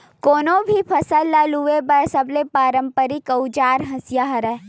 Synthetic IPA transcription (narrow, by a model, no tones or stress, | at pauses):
koːnõbʱipʰɐsəlːaluʋebɐɾsəblepaːɾə̃mpəɾikəud͡ʒaːɾɦɐsjaɦɐɾɛː